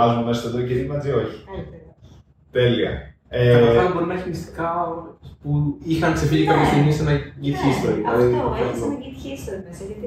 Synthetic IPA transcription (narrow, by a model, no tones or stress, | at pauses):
ɐzumemesɐst̪oðoceðimɐzio̞çi̥ | t̪eliɐ̰ | eɐɐlbo̞ɾinɐçimist̪i̥kɐpuixɐnkse̞fiʎikɐpçɐst̪iɣmist̪enɐcit̪çist̪eiɐðiɐpnɐit̪ise